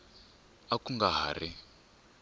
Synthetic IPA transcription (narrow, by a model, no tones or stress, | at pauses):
akuŋɡaɦa̰ri